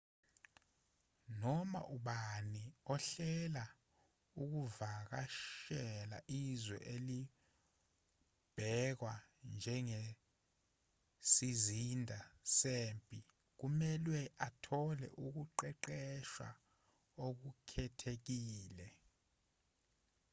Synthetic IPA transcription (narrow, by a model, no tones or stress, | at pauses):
nɔma̰ʔuɓaniɔɬɛla | uk̬uvak̬aʃɛla̰ʔizwɛ̰ʔeli | b̥ʱɛk̬wand͡ʒʱɛŋe | sizindʱaseːmpʼi | k̬umɛlwɛʔatʰɔlɛ̰ʔuk̬uǃɛǃɛʃwa̰ | ok̬ukʰɛtʰek̬iːlɛ